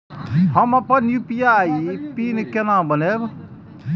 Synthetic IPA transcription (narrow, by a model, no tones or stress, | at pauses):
ɦɐmapɐnjupijaːipinkenãbɐneb